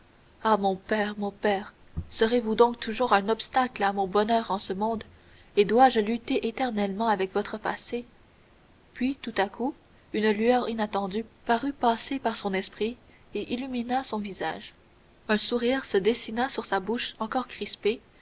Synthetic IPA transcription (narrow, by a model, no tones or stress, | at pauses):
amɔ̃pɛːʁmɔ̃pɛːʁ | səʁevud̪ɔ̃k̚t̪uʒuʁɛ̃nɔpst̪aklamɔ̃bɔnœːʁɑ̃səmɔ̃d̪ | ed̪waʒəlyt̪eʔet̪ɛʁnɛlmɑ̃avɛkvɔt̪χəpa̰se | pɥit̪ut̪akʰu | ynlyœʁinat̪ɑ̃d̪ypaʁypasepaʁsɔ̃nɛspχi | eʔilyminasɔ̃viza̰ːʒ | œ̃suʁiːʁsəd̪esinasyʁsabuʃɑ̃kɔʁkχispe